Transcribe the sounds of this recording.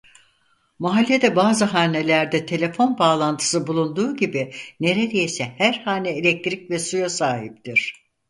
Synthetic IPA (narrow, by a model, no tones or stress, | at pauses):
maɦalʲːed̪ɛbaːzɯɦaːne̞lʲæɾd̪ɛt̪ʰe̞lʲe̞fo̞nbaːlˠant̪ʰɯ̥sɯbulˠund̪uːɟibine̞ɾed̪ejisɛhæɾhaːnɛelʲɛc̚t̪ɾicvɛsujasaːɦip̚t̪iɾ̝̥